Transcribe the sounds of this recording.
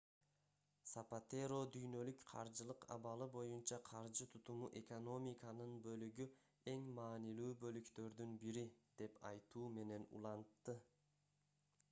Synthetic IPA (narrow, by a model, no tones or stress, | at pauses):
sapat̪eɾo̞d̪yjnø̞lykqʰɑ̰ɾd͡ʒɯlˠɯqɑ̰βɑlˠɯbo̞junt͡ʃɑqʰɑɾd͡ʒɯt̪ʰut̪umuʔe̞ko̞no̞mʲikɑnɯnbø̞lyɡy | e̞ŋmɑːnilyːbø̞lykt̪ø̞ɾd̪ynbiɾid̪̥e̞pɑ̰jt̪uːme̞ne̞nṵlˠɑnt̪ːɯ